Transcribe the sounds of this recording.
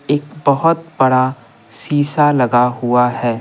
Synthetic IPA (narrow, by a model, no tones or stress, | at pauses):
eːkbɐɦʊt̪̚bɐɽa | siːsalɐɡaɦʊahɛː